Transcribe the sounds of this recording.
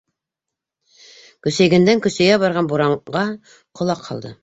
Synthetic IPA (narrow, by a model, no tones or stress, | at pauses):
kɵ̆sæjɡæ̆nd̪æŋkɵ̆sæ̆jɡæbɑɾʁɑnbuɾɑɴʁɑ | qŏlˠɑqʰːɑ̰lˠd̪ɤ